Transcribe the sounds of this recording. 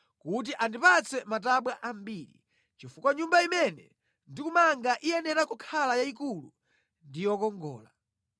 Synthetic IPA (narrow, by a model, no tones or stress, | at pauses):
kut̬iʔandipat͡sʰɛmat̬aɓwaʔambiːɾḭ | t͡ʃifukwaɲumbaimɛnɛ̰ | ndikumaŋɡaʔijɛnɛɾakukʰalajaikulṵ | ndijɔkɔŋɡɔ̰ːla